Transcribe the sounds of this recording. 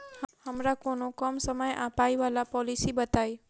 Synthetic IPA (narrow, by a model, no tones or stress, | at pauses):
hhəmɾakonokəmsəməja̰pajʋalapɔlisibət̪aj